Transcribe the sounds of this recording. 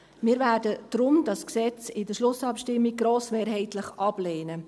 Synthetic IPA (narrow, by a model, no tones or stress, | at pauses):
mɪːɾvæːrdəd̪̥ɾʊmdɑsksɛt͡sɪdəʃlʊsɑpʃtɪmːiɡ̚ɡɾoːsmeːɾɦɛɪtləχʔɑb̥leːnə